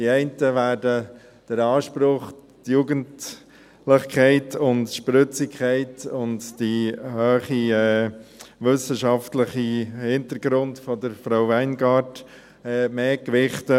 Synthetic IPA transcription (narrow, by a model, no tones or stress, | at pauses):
diɛɪntəʋæːɾdə | d̥əɾɑːʃpɾʊχtjuːɡənd | lɪχkʰɛɪtʊntʃpɾʏt͡sikʰχɛɪtʊnddihøːχiɛ | ʋʏsəʃɑftləχihɪntəɾɡɾʊntfɔdəɾfɾaʊvɛɪnɡɑːt | ɛːmeːkʋɪχtə